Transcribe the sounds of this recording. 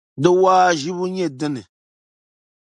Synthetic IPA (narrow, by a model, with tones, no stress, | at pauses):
dɨ˦waː˦ʒi˦bu˦ɲɛ˦dɨ˦nɨ˨